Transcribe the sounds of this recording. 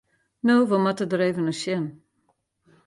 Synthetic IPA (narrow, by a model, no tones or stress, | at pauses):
noːʋomatədəɾeːvənəʃjɛn